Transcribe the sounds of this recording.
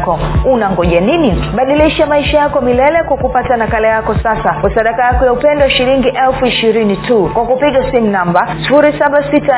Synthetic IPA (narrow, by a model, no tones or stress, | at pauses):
kɔunaŋɡɔʄaniniɓaɗiliʃamaiʃajakɔmilɛlɛkwakupatanakalɛjakɔsasakwasaɗakajakɔjaupɛndɔaʃiɾiŋɡiʔɛlfuiʃiɾinitʰukwakupiɠasimunambasi̥fuɾisaɓasita